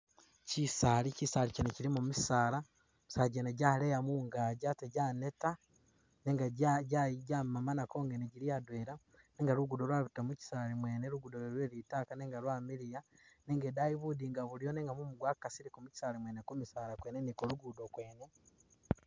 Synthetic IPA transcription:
cisalicisaːliceneciɾimumisaːla | misaːlaɟeːneɟalejamuŋɡaːɟateɟaːne̞ta | neŋɡaɟaɟamamanako̞ːŋɡeneɟiɾiadweɾa | neːŋɡaɾuɡudolwaβutamuci̥saːlimwe̞ːneɾuɡudoloɾweːɾitaːkaneːŋɡalwaːmiɾijaneːŋɡedaiβudiŋɡaβulijoneːŋɡamumuɡwakasiɾikomuci̥salimwe̞ːnekumisaːlakweːnenikoluɡudokwe̞ːne̞

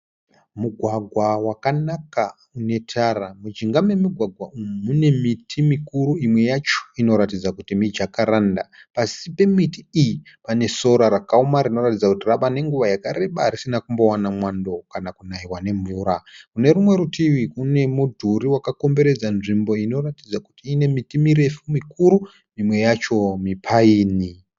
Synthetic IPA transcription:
muɡʱwaɡʱwawakanaka | une̞tʰaramud͡ʒiŋɡame̞miɡʱwaɡʱwaummune̞mitʰimikuɾuimwe̞jat͡ʃo̥ino̞ɾat̬id͡zakutimid͡ʒakaɾandapasipe̞mitiiji | pane̞so̞ɾaɾakaumaɾino̞ratid͡zakutirapane̞ŋɡuʋajakaɾe̞ɓaaɾisinakumbo̞wanamwando̞kanakunaiwane̞ɱvuːɾakune̞rumwe̞ɾutʰiʋikune̞mudʱuɾiwakako̞mbe̞ɾe̞d͡zanʐimbo̞ino̞ratid͡zakutiːne̞mitimiɾe̞fumikuɾu | imwe̞jat͡ʃo̞mipʰaiːni

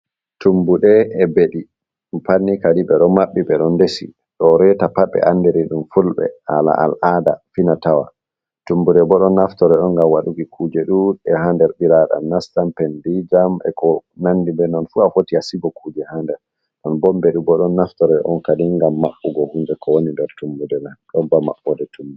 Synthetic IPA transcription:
tumbuɗɛːbeɗi | mpanːikadibɛɗɔmaɓːibɛɗɔndesḭ | ɗɔɾɛtapaɓːɛ̰ʔandeɾiɗumfulɓɛ̰ala̰ʔalʔada̰finatawa̰ | tumbuɗɛbɔɗɔnːaftɔɾɛɗɔnɡamwaɗuɡikʰuːd͡ʒɛɗuɛɦandɛɾɓiɾaɗa̰nnastampɛndid͡ʒamɛ̰kɔnandibɛnɔnfuafotiasiɡɔkud͡ʒɛhandɛɾ | ɗɔnbɔmbɛɗubɔɗɔnːaftɔɾɛʔɔnkadiŋɡamːaɓːuɡɔhund͡ʒɛkʰɔwonimbɛɾtumbudɛnaɗɔnbama̰ɓːɔdɛtʰumbu

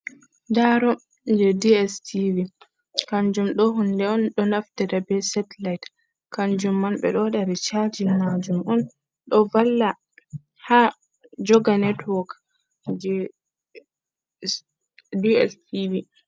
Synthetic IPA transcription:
daɾɔ | d͡ʒɛdiɛstivi | kand͡ʒumɗɔɦundɛɔnɗɔnaftɛdabɛsɛtlajt | kand͡ʒumːanɓɛ̰ɗɔɗaɾit͡ʃad͡ʒimad͡ʒumʔɔn | ɗɔvalːa | ha | d͡ʒɔɡanɛtwɔk | d͡ʒɛ | diɛ̰stivi

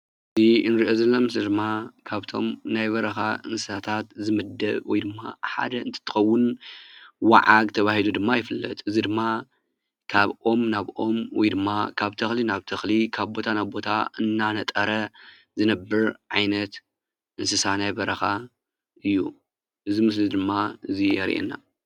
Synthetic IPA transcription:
ʔɨziɨnɾiʔo̞zɐlːomɨsɐd̪ɨmːakʰaβt̪ʰo̞̰mnajβɐɾɐxa̰ɨ̰nsɨsat̪ʰat̪zɨmɨd̪ɐ̰βwɔ̰jd̪ɨmːa̰ħa̰d̪ɐɨnt̪ʰɐ̥t̪ʰɨ̥xɐwːʊn | wa̰ʕaɡt̪ʰɐβahilud̪ɨmːajɪfɨlːɐ̰t̪ʼɨzid̪ɨmːa | kʰaβʔo̞mnaβʔo̞mwɔ̰jd̪ɨmːakʰaβt̪ʰɐxlinaβt̪ʰɐxlikʰaβbo̞t̪ʰanaβbo̞t̪ʰaɨnːanɐt̪ʼɐɾɐ | zɨnɐbːɨɾʕajnɐt̪ | ʔɨnsɨsat̪najbɐɾɐxa | ʔɨjːu | ʔɨzimɨs̬lid̪ɨmːaɨzijɛɾ̰ʔḛnːa̰

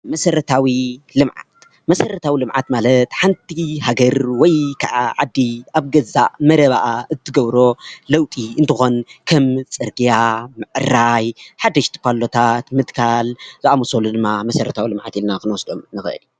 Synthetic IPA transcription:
mɐsɐɾɐt̪ʰawilɨmʕa̰t̪ | mɐsɐɾɐt̪ʰawilɨmʕat̪malɐt̪ħant̪ʰiɦaɡɐɾwɔjkʰaʕaʕad̪ːiaβɡɐza̰ʔmɐɾɐβaʔaɨt̪ʰːɨɡɐβɾo̞lɐwt̪ʼiɨnt̪ʰɨxo̞nkʰɐmt͡sʼɨɾɡijamɨʕɨɾajħad̪ɐʃt̪ʰɨ̥pʰalot̪ʰat̪mɨd̪kʰalzɨʔamosolud̪ɨmːamɐsɐɾɐt̪ʰawilɨmʕa̰t̪ilnakɨnwɔsd̪o̞mnɨxɨʔɨ̰l

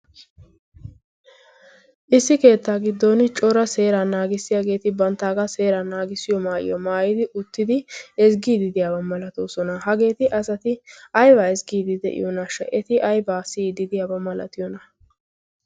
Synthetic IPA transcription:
ʔɪsːɪke̞ːt̪ːaːɡɪd̪ːonɪt͡ʃʼɔɾɐse̞ːɾanaːɡɪsːɪjaɡe̞ːt̪ɪbɐnt̪ːaːɡɐse̞ːɾanaːɡɪsːɪjɔmaːjɪ̰jɔmaːjɪd̪ɪʔʊt̪ːɪd̪ɪɛzɡiːd̪ɪd̪ɪjaːbɐmɐlɐt̪oːsɔnɐhɐɡe̞ːt̪ɪʔɐsɐt̪ɪɐjbaːɛsɡiːd̪ɪd̪ɛ̰ʔɪ̰jɔnaʃɛ̰ʔɛt̪ɪʔɐjbaːsid̪ɪd̪ɪjaːbɐmɐlɐ̰t̪ɪjɔnɐ

